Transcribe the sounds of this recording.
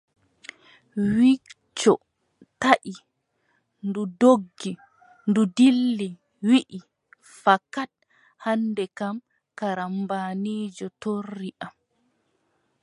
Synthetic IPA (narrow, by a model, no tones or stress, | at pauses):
wi | t͡ʃːɔ | taʔi | ndudoɡːi | ndudilːi | wiʔi | fakːat̚ | handɛkam | kaɾambaniːd͡ʒɔtorːiʔam